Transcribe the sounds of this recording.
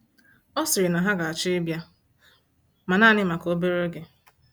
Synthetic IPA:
ɔ˦sɪ˨ɾɪ˨na˨ɦa˦ɡa˨a˨t͡ʃe˦bja˦ | ma˨naː˦˨nɪ˦ma˨ko˦be˦ɾo˦ɡe˦

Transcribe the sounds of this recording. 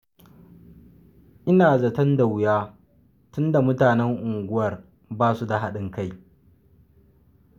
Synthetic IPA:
ʔɪ˦naː˨zɐ˨tɐ˦nda˨wʊ˨jaː˦ | tʊ˦nda˨mʊ˦taː˨nɛ˦ŋʔʊ˨ŋɡʷʊ˦wɐ˨r | baː˦su˦da˨ɦa˦ɗɪ˦ŋka˦j

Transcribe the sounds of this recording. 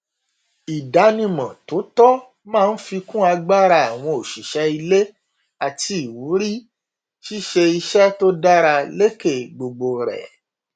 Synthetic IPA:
i˨da˨˦nĩ˧mã˨to˨˦tɔ˦ | mãː˦˨˧n̩˦fi˧kũ˦a˧ɡ͡ba˦ɾa˧a˨w̃ɔ̃˧o˨ʃi˨ʃɛ˨˦i˧le˦ | a˨ti˧i˨wu˨˦ɾi˦ | ʃi˦ʃe˧i˧ʃɛ˦to˦da˦ɾa˧le˦ke˦˨ɡ͡bo˧ɡ͡bo˧ɾɛ̰˨

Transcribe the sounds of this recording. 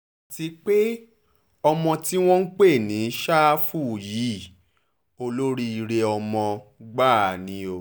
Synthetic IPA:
a˨ti˧k͡pe˦ | ɔ˧mɔ̃˧ti˦w̃ɔ̃˦n̩˦k͡pe˦˨nĩ˨˦ʃa˦fu˦˨ji˨˦˨ | o˧lo˦ɾi˦i˧ɾe˧ɔ˧mɔ̃˧ɡ͡ba˦˨nĩ˧o˨

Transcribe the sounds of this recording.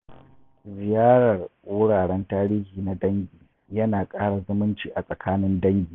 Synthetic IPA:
zɪ˨jaː˦ɽɐ˨rʔʊː˦ɽaː˨ɽɛ˦ntaː˦ɾiː˦hiː˨na˨dɐ˦ŋɡʲiː˨ | jɐ˦naː˨kʼaː˦ɽa˨zʊ˦mʊ˦nt͡ʃiː˨ʔa˨sʼɐ˨kʰaː˦nɪ˦ndɐ˦ŋɡʲiː˨

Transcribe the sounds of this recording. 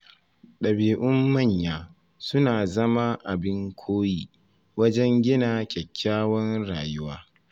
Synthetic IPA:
ɗɐ˨biː˨ʔʊ˦mːɐ˦˨ɲjaː˦ | sʊ˦naː˨zɐ˦ma˦ʔa˨bɪ˦ŋkʷʰoː˦jiː˦ | wɐ˦d͡ʒɛ˦ŋɡʲɪ˦naː˨kʲɛ˨kʲʰːaː˦wɐ˦nɽaː˨jʊ˦waː˦

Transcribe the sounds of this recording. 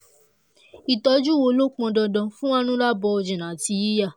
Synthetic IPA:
i˨tɔ˧d͡ʒu˦wo˧lo˦k͡pɔ̃˧dɔ˧dɔ̃˧fũ˦wa˦nũ˦la˦bɔ˧ɔ˧d͡ʒĩ˨nã˨˦ti˧ji˦ja˦˨

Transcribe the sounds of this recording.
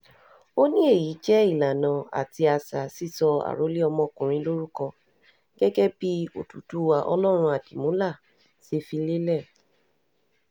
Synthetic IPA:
o˦nĩ˦e˦˨ji˨˦d͡ʒɛ˦i˦˨la˨nã˨a̰˨ti˧a˧sa˨si˦˨sɔ˧a̰˨ɾo˨˦li˦ɔ˧mɔ̃˧kũ˨ɾ̃ĩ˧˦lo˦ɾu˦kɔ˧ | ɡ̥ɛ˦ɡɛ˦bi˦o̰˦˨tu˨tu˨˦wa˨ʔɔ̰˧lɔ˦ɾ̃ũ˧a˨di˨mũ˨˦la˦˨ | se˧fi˧le˦lɛ˦˨

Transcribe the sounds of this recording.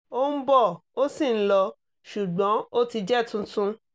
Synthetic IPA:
o˦m̩˦bɔ˦˨o˦si˦˨n̩˦lɔ˧ | ʃu˨ɡ͡bɔ̃˨˦o˦ti˧d͡ʒɛ˦˨tũ˧tũ˧˦

